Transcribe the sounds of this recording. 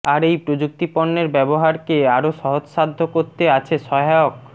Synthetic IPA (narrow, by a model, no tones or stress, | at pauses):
aɾejpɾod͡ʑuk̚t̪iponːeɾbɛboɦaɾkeaɾoʃɔɦod͡ʑʃad̪ʱːokoɾt̪eat͡ɕʰeʃɔɦaok